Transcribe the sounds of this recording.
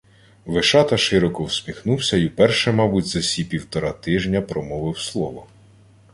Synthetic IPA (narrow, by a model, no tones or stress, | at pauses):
ʋɪʃɑt̪ɐʃɪɾɔkɔwsʲmʲixnuwsʲɐiwpɛrʃɛmɑbutʲzɐsʲipʲiwt̪ɔɾɑt̪ɪʒnʲɐpɾɔmɔʋɪwslˠɔʋɔ